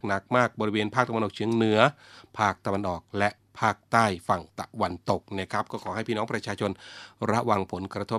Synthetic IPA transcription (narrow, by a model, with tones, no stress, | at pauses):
na˨˩k̚maː˥˩k̚bɔː˧ɾi˦˥weː˧npʰaː˥˩k̚t̪a˧a˧nʔɔ˨˩t͡ɕʰɯ˩˦əŋnɯ˨˩˦ɐpʰaː˥˩k̚t̪a˧wa˧nʔɔː˨˩k̚lɛ˦˥ʔ | pʰaː˥˩k̚t̪aː˥˩jfa˨˩ŋt̪a˨˧˩wa˧nt̪o˨˩k̚na˧˥˩kʰa˦˥p̚kɔː˥˩kʰɔː˩˦ɦa˥˩jpʰiː˥˩nɔː˦˥ŋpɾa˧˥t͡ɕʰaː˧t͡ɕʰo˧nɾa˦˥ʔwa˧ŋpʰo˩˦nkɾa˧t̪ʰo˦˥